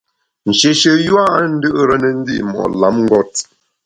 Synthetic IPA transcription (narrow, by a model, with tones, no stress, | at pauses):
n̩˨ʃe˨ʃə˨ju˦a˦n̩˦dɨ˦ʔɾə˦nə˨n̩˦dḭ˦ʔmɔ̰˨ʔla˨˦mŋ˦ɡɔ˦t̚